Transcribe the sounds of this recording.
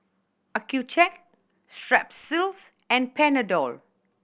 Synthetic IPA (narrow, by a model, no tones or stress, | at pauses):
akʰjut͡ʃɛk̚ | stɹɛpsils | ɛ̃n̚pʰɛnədɔl